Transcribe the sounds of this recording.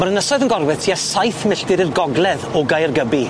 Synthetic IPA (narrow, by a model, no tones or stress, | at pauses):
maɾənəsɔðənɡɔrvɛtʰiasajθmɪɬdɪɾirɡɔɡlˠɛðɔɡajrɡəbi